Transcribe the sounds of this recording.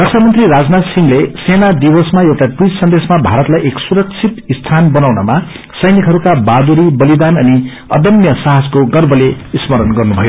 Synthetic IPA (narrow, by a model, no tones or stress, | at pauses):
rʌksʰamʌnt̪riɾad͡znat̪siŋlesenad̪ibʌsmaewʈaʈrissʌnd̪esmabʱaɾʌt̪lajʔeksuɾʌk̚t͡sʰit̪ist̪ʰanbʌnawnʌma | sʌjnikɦʌɾukabad̪uɾibʌlid̪anʌni | ʌ̰d̪ʌnjʌsaɦaskoɡʌrbʌleismʌɾʌnɡʌrnubʱʌjo